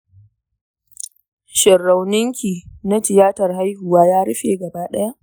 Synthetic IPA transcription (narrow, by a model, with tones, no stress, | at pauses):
ʃɪ˨rːa˨wnɪ˦ŋkʲiː˨na˦tɪ˨jaː˦tɐ˨rha˦jhʊ˨waː˦jaː˦ɽɪ˦ɸeː˨ɡɐ˨baː˦ɗɐ˦ja˦ʔ